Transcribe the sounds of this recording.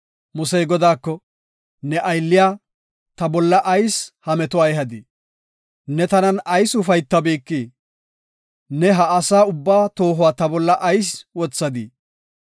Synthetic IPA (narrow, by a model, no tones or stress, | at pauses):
mʊsɛjɡɔd̪aːkːɔ | nɛʔɐjlːɪjaː | t̪ɐbɔlːɐʔɐjshɐmɛt̪ɔɐjɦɐd̪i | nɛt̪ɐnɐnɐjsʊfɐjt̪ːɐbiːkːi | nɛɦɐːsaːʊbːaːt̪o̞ːɦʊwaːt̪ɐbɔlːɐʔɐjswɔt͡sːɐd̪i